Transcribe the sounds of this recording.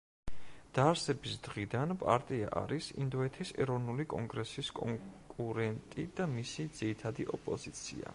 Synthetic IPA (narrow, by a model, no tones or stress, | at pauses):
d̪̥aɾsɛbisd̪̥ʁid̪anpʼa̰ɾt̪ʼia̰ʔa̰ɾisḭnd̪ɔɛt̪ʰisɛ̰ɾɔvnulikʼɔŋɡɾɛsiskʼɔkʼuɾɛnt̪ʼid̪̥amisid̪z̥iɾit̪ʰad̪iʔɔpʼɔzit̪sʰḭa̰